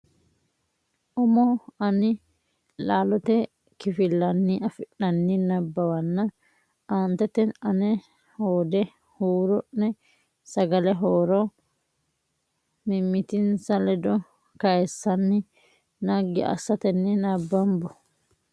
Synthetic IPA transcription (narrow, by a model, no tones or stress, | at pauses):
ʔɔmɔɐnɪ | laːlɔt̪ɛ | kɪfɪlːɐnːiʔɐfɪʔɐnːɪnɐbːɐwɐnːɐ | ʔaːnt̪ɛt̪ɛnɐnɛ | hoːd̪ɛ | huːɾɔʔnɛ | sɐɡɐlɛɦoːɾɔ | mɪmːɪt̪ɪnsɐlɛd̪ɔ | kɐjɛsːɐnːɪ | nɐɡːɪʔɐ̰sːɐt̪ɛnːɪnɐbːɐmbɔ